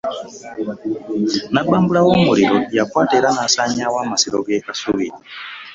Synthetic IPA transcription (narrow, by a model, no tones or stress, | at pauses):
nabaːmbulawomuɾiɾojakwaːteɾanasaɲawaːmasiɾoɡekasuβii